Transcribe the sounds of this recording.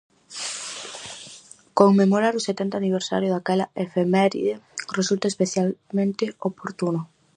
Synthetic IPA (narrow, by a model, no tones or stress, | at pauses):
koŋmemoɾaɾʊset̪ɛnt̪aniβ̞eɾsa̰ɾjʊðakɛlaefemɛɾḭðeresult̪aespeθjalmẽnt̪ɪopoɾt̪unʊ